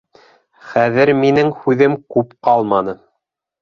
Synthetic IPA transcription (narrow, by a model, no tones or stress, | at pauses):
χæðɘɾminɘŋhʉðɘmkʉpqɑlˠmɑnɤ